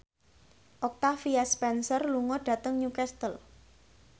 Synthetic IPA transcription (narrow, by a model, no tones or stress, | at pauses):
ʔɔk̚t̪afiaspɛnsərluŋɔɖ̥ä̤t̪əŋɲukɛst̪əl